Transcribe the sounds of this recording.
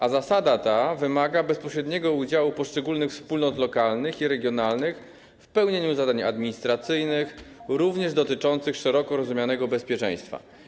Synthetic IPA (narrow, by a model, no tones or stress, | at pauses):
azasad̪at̪avɘmaɡabɛspɔɕɾɛd̪ɲɛɡɔud͡ʑawupɔʂt͡ʂɛɡulnɘxfspulnɔt̪lɔkalnɘxiɾɛɡʲjɔnalnɘx | fpɛwɲeɲuzad̪aɲa̰d̪mʲiɲist̪ɾat̪sɘjnɘxɾuvɲɛʐd̪ɔt̪ɘt͡ʂɔnt̪sɘxʂɛɾɔkɔɾɔzumʲjanɛɡɔbɛspʲjɛt͡ʂɛ̰̃j̃st̪fa̰